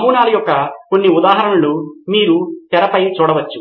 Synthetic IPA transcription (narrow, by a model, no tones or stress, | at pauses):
muːnaːlɐjɔkːɐko̞nːiud̪aːɦɐɾɐnɐlumiːɾut̪ɛɾɐpɐjt͡ʃuːɽɐʋɐt͡ʃːu